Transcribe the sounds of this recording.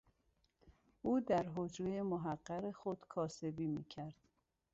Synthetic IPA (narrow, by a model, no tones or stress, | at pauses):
ʔuːd̪æɾɦod͡ʒejemoɦæɢːæɣexod̪̥kʰɒːse̞biːmḭːcʰæɾd̪̥